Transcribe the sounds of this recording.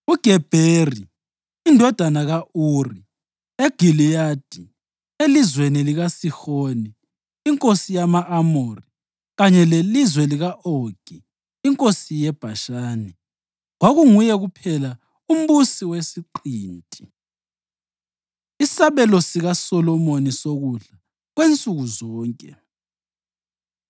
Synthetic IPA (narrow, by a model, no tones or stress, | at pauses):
uɡ̥ʱɛb̥ʱeriː | ndʱɔd̥ʱanaɣauri | eɡ̥ʱilijad̥ʱi | elizweniliɣasixoːniː | ŋkʼosijamaʔamori | ɣaɲɛlelizwɛliɣaʔoɡ̥ʱiː | ŋkʼosijɛb̥ʱaʃaːni | ɣwaɣuŋujɛɣupʰɛla | um̩busiwesiǃiːntʼi̥ | isaβɛlɔsiɣasɔlɔmonisoɣuɮa | ɣwent͡sʼuɣuzɔːŋkʼɛ